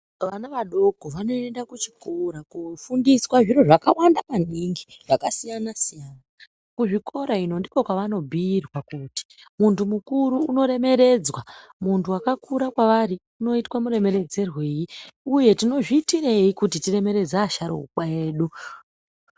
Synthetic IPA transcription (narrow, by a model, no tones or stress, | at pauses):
ʋanaʋaɗo̞ɡ̥ʱoʋano̞endakut͡ʃi̥koɾakufundiswaʐiɾo̞ʐakawandapanɗiŋɡiʐ̥akasijanasijaːna | kuʐikʰo̞ɾaino̞ndikokwaʋano̞bʱiːrwakuːti̥muntumukuɾuuno̞ɾe̞me̞ɾe̞d͡zwamuntuwakakʰuɾakwaʋari | uno̞itwamure̞me̞ɾe̞d͡zerweːjiuje̞tino̞ʐiːtireikutitire̞me̞ɾe̞d͡zaːʃaɾo̰ṵɓaeːɗu